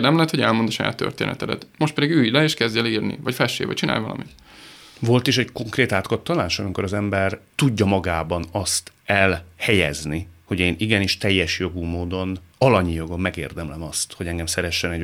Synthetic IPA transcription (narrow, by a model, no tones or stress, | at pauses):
rd̪ɛmlɛɛt̪ho̞ɟɛlmo̞nd̪ɒʃɒja̰ːt̪ːø̰rt̪ḛːnɛ̰t̪ɛd̪ɛ̰t̪mo̞ʃt̪pɛd̪iɡyːjlɛeːʃkɛzɟɛliːrnḭvɒcfɛʃḛːvɒ̰ct͡ʃina̰ːjvɒlɒ̰mit̪ | vo̞lt̪iʃɛɟko̞ŋkreːt̪aːt̪kɒt̪ːɒlaːʃɒmiko̞ɾɒzɛmbɛrt̪uɟːɒmɒɡaːbɒnɒst̪ | ɛlhɛjɛ̰zniho̞ɟeːniɡɛniːʃt̪ɛjːɛʃjo̞ɡumoːd̪o̞nɒlɒɲijo̞ɡo̞mːɛɡḛːrd̪ɛmlɛmɒst̪ho̞ɟɛŋɡɛmsɛɾɛʃːɛnɛɟ